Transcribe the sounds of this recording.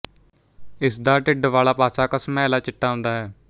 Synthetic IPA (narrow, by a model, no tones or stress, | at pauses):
ɪsd̪aːʈɪɖʋaːlaːpaːsaːkəsmɛ̃ːlaːt͡ʃɪʈːaːɦʊ̃nd̪aːɦɛː